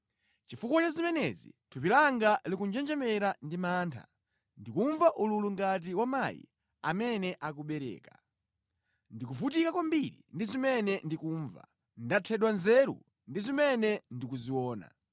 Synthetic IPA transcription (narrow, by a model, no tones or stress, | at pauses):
t͡ʃifukɔt͡ʃazimɛnɛ̰zḭtʰup̬ilaŋɡalikund͡ʒɛnd͡ʒɛmɛɾandimaːntʰa̰ | ndikuɱvaʔululuŋɡat̬iwamajḭ | a̰mɛnɛʔak̬uɓɛɾɛ̰ːka | ndikufut̬ikakwambiɾḭndizimɛnɛndikuɱva̰ | ndatʰɛɗwanzɛːɾṵ | ndizimɛnɛndikuziwɔːna̰